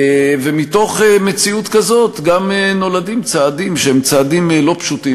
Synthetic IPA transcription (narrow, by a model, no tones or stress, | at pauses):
vemito̞χeme̞t͡siutkazo̞t̪ɡameno̞ladimt͡saːdimʃehemt͡saːdimlo̞pʃuti